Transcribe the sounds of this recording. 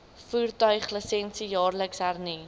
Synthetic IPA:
fuːrtœɥχləsɛnsijɑːrləksɦærni

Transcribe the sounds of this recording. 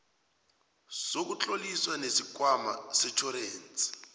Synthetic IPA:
sok̬ut͡ɬʼoliswanesikwamasɛt͡ʃʰɔɾeːn̩t͡sʼi̥

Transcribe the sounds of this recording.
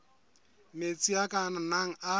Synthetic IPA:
met͡sʼiakʼananaŋ̩a

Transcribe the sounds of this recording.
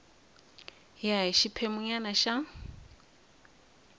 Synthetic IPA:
jaiʃipʰɛmuɲanaʃa

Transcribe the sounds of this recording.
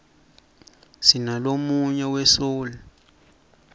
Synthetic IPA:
sinalomuɲɛwɛsoːlɛ

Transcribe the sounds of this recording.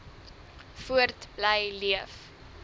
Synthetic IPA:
fuərtblɛjliəf

